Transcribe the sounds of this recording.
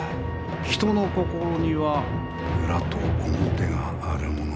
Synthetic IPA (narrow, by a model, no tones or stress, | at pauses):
çi̥t̪o̞no̞ko̞ko̞ɾoɲ̟iβa | ɯ̟ɾat̪oːmot̪e̞ɡaːɾɯ̟mono